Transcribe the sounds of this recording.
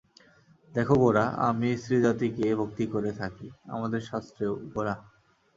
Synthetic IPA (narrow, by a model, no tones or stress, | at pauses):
d̪ɛkʰoɡoɾaa̰misɾid͡ʑat̪ikebʱok̚t̪ikoɾet̪ʰakia̰mad̪eɾʃast̪ɾeoɡoɾa